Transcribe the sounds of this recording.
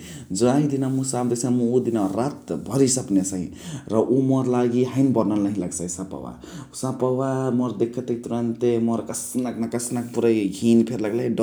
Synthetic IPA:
d͡ʒɔaid̪inamusamd̪esʰamuud̪inaɾat̪bʱʌɾisʌpnesaɦḭ̃ɾʌʔumɔɾlaɡiɦajnbʌɾnalnəɦĩlaɡsaisapa̰wa̰ | sãpawamɔɾd̪ekʰːət̪ekt̪uɾant̪emɔɾkəsnaknakəsnak̚puɾajɡʱinpʰeɾlaɡlajɖ

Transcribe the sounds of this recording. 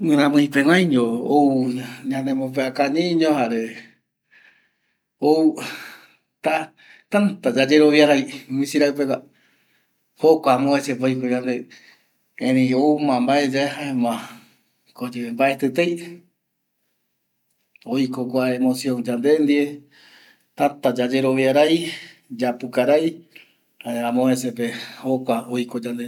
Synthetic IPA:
ɨ̃ɾãmɨ̃ĩpewʷãjɲoowɲãnd̪emop̬eakaɲĩɲõhaɾe | ou | t̪a | t̪ant̪ad͡ʒad͡ʒeɾoβiaɾajmĩsiɾaɨpeka | hokʷamõet͡ʃep̬ojkoɲãnd̪e | ẽɾĩomãmbaed͡ʒaeɦaemã | kod͡ʒeembaʔet̪ɨt̪ej | ojkokʷaemosjõŋd͡ʒand̪end̪ie | t̪at̪ad͡ʒad͡ʒe̞ɾoβiaɾajd͡ʒapukaɾaj | haãmõesepehokʷaojkod͡ʒand̪e

